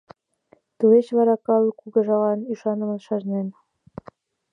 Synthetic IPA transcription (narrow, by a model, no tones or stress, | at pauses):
t̪uet͡ɕβɑɾɑkɑlˠkuɡɤ̆ʒɑlɑniʃɑnə̆mə̆nʃɑʒnen